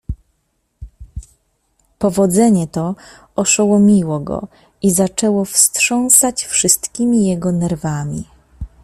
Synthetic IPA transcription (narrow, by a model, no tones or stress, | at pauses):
pɔvɔd̪zɛɲɛt̪ɔ | ɔʂɔwɔmʲiwɔɡɔ̰ | izat͡ʂɛwɔfstʂɔ̃w̃sat͡ɕfʂɘst̪kʲimʲijɛɡɔnɛɾvamʲḭ